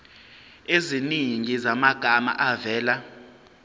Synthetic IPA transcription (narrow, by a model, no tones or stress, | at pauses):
eziniŋizamaɡ̥ʱama̰ʔavɛːla